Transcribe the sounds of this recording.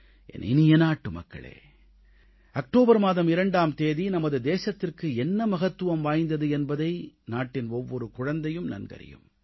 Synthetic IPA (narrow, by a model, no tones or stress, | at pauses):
ʔɛ̰nɪ̰nɪjɐnaːʈːɯmɐ̰kːɐ̰ɭḛː | ɐk̚ʈoːbɐɾmaːðɐmɪɾɐɳɖaːmt̪eːðinɐmɐðɯd̪eːsɐt̪ːɪrkɯɛnːɐmɐɣɐt̪ːɯʋɐmʋaːjnd̪ɐðɯɛnbɐðɐɪnaːʈːɪnɔʋːɔɾɯkʊɻɐnd̪ɐjɯmnɐ̰nɡɐ̰ɾɪ̰jɯ̰m